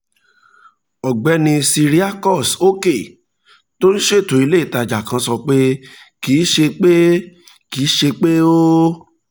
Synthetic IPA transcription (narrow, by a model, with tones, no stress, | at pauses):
ɔ˨ɡ͡bɛ˨˧˦nĩ˧si˧ɾi˦a˦˨kɔ˦˨so˦ke˦˨ | to˦n̩˦ʃe˦˨to˨i˧le˦i˦˨ta˧˨d͡ʒa˨kã˧˦sɔ˧k͡pe˦ | ki˨˦ʃe˧k͡pe˦ | ki˨˦ʃe˧k͡pe˦o˦